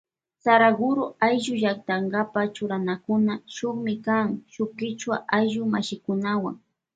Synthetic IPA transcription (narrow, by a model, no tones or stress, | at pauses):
saɾaɡʊɾʊajʒʊʒak̚t̪aŋɡapat͡ʃʊɾanakʊnaʃʊχmɪkaŋʃʊkɪt͡ʃwaʔajʒʊmaʃɪkʊnawa̰ŋ